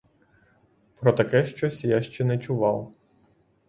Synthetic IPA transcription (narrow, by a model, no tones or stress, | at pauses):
pɾɔt̪ɐkɛʃt͡ʃɔsʲjaʃt͡ʃɛnɛt͡ʃʊʋɑw